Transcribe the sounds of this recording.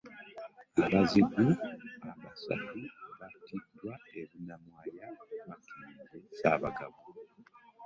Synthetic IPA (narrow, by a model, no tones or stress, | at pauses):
aβaziɡuaβasa̰tuβatʰidwaeβunamwaːjaβakʰeɲɟesa̰βaɡaβu